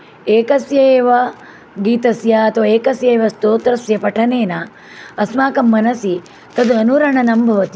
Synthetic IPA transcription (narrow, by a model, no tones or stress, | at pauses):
eːkɐsjɐeːʋɐ | ɡiːt̪ɐsjɐɐt̪ʰʋɐeːkɐsjɐeːʋɐst̪oːt̪ɾɐsjɐpɐʈʰɐneːna | ɐsmaːkɐmːɐnɐsi | t̪ɐd̪uɐnuɾɐɳɐnɐmbʱɐʋɐt̪i